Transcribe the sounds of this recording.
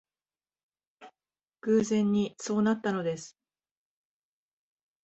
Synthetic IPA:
kɯːzẽ̞ɲ̟ːiso̞ːnat̪ːano̞d̪e̞sɨ̥

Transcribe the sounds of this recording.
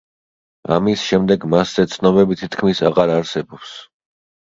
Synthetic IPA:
a̰misʃɛmd̪ɛɡmasz̥ɛt̪sʰnɔbɛbit̪ʰit̪ʰkʰmisaʁaɾaɾsɛbɔps

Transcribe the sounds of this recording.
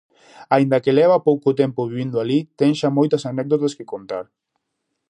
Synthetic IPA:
aind̪akelɛβ̞apowkot̪ɛmpoβiβind̪oalit̪ɛŋʃamojt̪asanɛk̚d̪ot̪askekont̪aɾ

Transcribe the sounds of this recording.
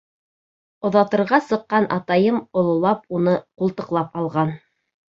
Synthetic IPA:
ŏðɑt̪ɤ̆ɾʁɑsɤ̆qːɑnʔɑ̰t̪ɑjɤmŏlˠŏlˠɑp̚unɤqulˠt̪ɤ̆qlˠɑpɑlˠʁɑn

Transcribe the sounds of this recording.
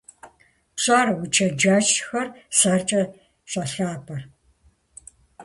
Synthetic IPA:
ɕʷʼaːrwʊt͡ʃʰɐd͡ʒaːt͡ʃxɐrsart͡ʃʼɐ | ɕʼɐɬaːpʰɐr

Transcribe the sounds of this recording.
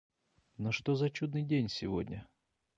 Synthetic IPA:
noʂt̪ozɐt͡ɕud̪nɨjdʲenʲsʲɪvo̰dʲnʲə

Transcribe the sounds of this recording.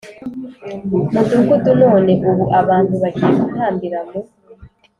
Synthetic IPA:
mudukutuno̞ːne̞ʔuβuʔaβaːntuβaɟiːkun̥haːmbiɾaŋɡo

